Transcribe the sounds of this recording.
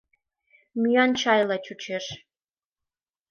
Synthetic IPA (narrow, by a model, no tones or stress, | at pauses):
myjɑnt͡ɕɑjlɑt͡ɕut͡ɕeʃ